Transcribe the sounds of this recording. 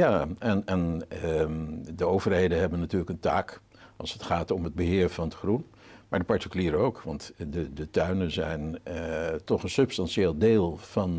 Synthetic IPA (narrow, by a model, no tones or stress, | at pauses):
jaːɛnɛn | dəowvərɦejdənɦɛbənːatyːɹləkəntaːk | ɑ̰lˠsətχaːtɔməd̚bəɦɪːɹv̥ɑndəχrun | maːdəpɑɹtəkyliːɾəowkʋɑ̰ntdədətœɥnənzɛjn | tɔχənsɵpstɑnʃeːlˠdeːlˠvɑn